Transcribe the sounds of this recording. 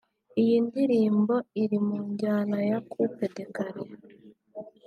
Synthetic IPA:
ijindiɾiːmbo̞iɾimuɲɟaːnajakʰupe̞de̞kaɾiɾ

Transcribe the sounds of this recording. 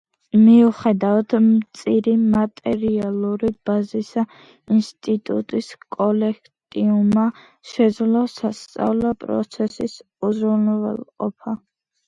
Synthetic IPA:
miuχɛd̪avat̪ʰmt̪sʼiɾimat̪ʼɛɾialˠuɾib̥azisa | inst̪ʼit̪ʼṵt̪ʼiskʼɔlɛkʰtt̪ʼiuma | ʃɛd̪zlɔsast̪sʼa̰vlɔpʼɾɔ̰t̪sʰɛsis | uzɾunɔvɛ̰lˠqʼɔ̰pʰa

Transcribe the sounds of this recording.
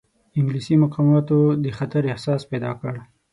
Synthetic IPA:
ɪŋɡlisimʊqɑmɑt̪od̪əxat̪aɾɪhsɑsped̪ɑkəɽ

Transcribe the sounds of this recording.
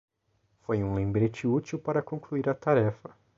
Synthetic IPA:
fojũlẽbɾet͡ʃɪut͡ʃiwpaɾɐkõkluiɾɐt̪aɾɛfɐ

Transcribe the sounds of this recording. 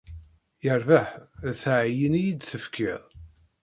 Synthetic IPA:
jəɾvaħθʕjənijid̪θəfkʰiðˤ

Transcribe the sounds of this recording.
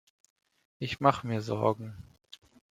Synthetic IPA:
ʔɪçmaχəmiːɐzɔ̰ɐɡŋ̩

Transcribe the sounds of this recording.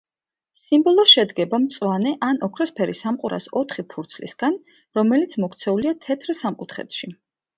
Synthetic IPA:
simbɔlˠɔʃɛd̪ɡɛbamt̪sʼwanɛʔanɔkʰɾɔspʰɛɾisamqʼuɾʔa̰sɔt̪ʰχipʰuɾt̪sʰlḭsɡ̥an | ɾɔmɛlit̪sʰmɔkʰt̪sʰɛuliat̪ʰɛt̪ʰɾsamqʼut̪ʰχɛ̰t̪ʃi

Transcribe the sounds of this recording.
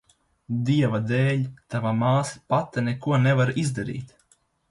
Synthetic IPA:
d̪iɛvad̪ɛːʎʲt̪avamaːsi̥pat̪ːɛnɛkuɔnɛvaɾizd̪aɾḭːt̪

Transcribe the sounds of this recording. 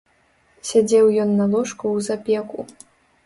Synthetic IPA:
sʲad͡zʲɛwjɔnːɐlˠɔʂkuwzapʲɛku

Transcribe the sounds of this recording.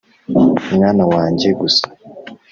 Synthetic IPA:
umŋaːnawaːɲɟe̞ɡusḁ

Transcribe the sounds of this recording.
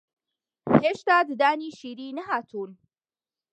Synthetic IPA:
heːʃt̪aːd̪ɨd̪aːniːʃiːɾiːnɐɦaːt̪ʰuːn

